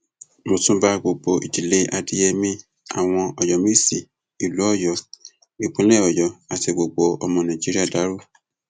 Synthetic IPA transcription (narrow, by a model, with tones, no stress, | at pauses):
mo˧tũ˦ba˦ɡ͡bo˨ɡ͡bo˧ḭ˨d͡ʒi˨le˨˦ʔa˧di˦jɛ˧mĩ˧ | a̰˨w̃ɔ̃˧ɔ˨jɔ˨mĩ˦si˦˨ | i˨lu˨˦ɔ˦˨jɔ˨ | i˨k͡pũ˦lɛ˦˨ɔ˨jɔ˨a˨ti˧ɡ͡bo˨ɡ͡bo˧˦ɔ˧mɔ̃˧nã˨d͡ʒi˦ɾi˦a˦˨da˨˦ɾo˦˨